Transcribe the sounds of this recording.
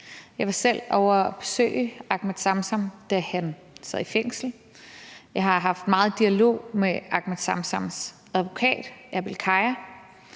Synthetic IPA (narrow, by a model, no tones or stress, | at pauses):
jɑ̈ɪʋɑ̈sel̰ɒʊɐb̥e̥sø̰ːɪəɑ̈ɡ̥med̥sɑ̈msɑmd̥æhæn | sæð̰ˠifeŋ̰sl̩ | jɑ̈ɪɦɑ̈ɦɑ̈fd̥mɑ̈ːð̩ˠd̥iælo̝̰ːmeɑ̈ɡ̥mæd̥sɑ̈msɑms | æðˠʋo̝kʰɛ̰ːd̥ʔæb̥elkʰɑ̈ɪæ